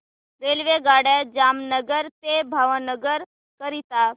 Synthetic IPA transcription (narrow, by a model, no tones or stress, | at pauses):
ɾeːlʋeɡaːɽəd͡ʒaːmnəɡəɾt̪ebʱaʋənəɡəɾ | kəɾit̪aː